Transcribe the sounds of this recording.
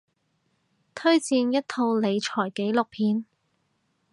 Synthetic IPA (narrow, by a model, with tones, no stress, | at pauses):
t̪ʰɵ˥ɥt͡siː˧njɐ˥t̚t̪ʰo˧wle˨˧jt͡ʃʰɔː˨˩jke˨˥jlʊ˨k̚pʰiː˧n